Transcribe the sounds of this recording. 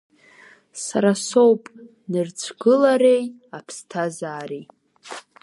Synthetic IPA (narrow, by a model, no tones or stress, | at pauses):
saɾaso̞wpʼ | nɨrt͡sʷʰɡɨlaɾe̞j | apʰstʰazaːɾej